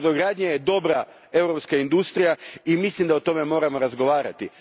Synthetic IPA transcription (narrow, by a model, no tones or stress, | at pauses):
d̪oɡɾaːd̪ɲejed̪o̞bɾa | e̞wɾopskaind̪ust̪ɾijaimislimd̪aot̪o̞me̞mo̞ːɾamo̞ɾazɡo̞ʋaːɾa̰t̪i